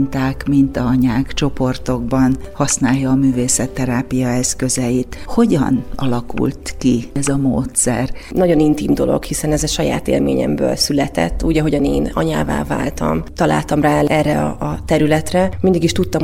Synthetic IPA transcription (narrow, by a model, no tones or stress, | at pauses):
nt̪aːkmint̪ɒɒɲaːkt͡ʃo̞po̞rt̪o̞ɡ̚bɒnhɒsnaːjːɒːmyːveːsɛt̪ːɛɾaːpijɒɛskø̞zɛjit̪ho̞ɟɒ̰nɒ̰lɒkṵlt̪kiɛzɒmo̰ːt̪sɛ̰rnɒɟo̞nint̪iːmd̪o̞lo̞̰ɡhisɛnɛzɛʃɒja̰ːt̪ḛːlmḛːɲɛ̰mbø̰ːlsylɛt̪ɛ̰t̪ːuːɟɒɦo̞ɟɒneːnɒ̰ɲa̰ːva̰ːva̰ːlt̪ɒ̰mt̪ɒla̰ːlt̪ɒmraːɛrːɛɒ̰ːt̪ɛɾylɛt̪rɛmind̪iɡiʃt̪ut̪ːɒm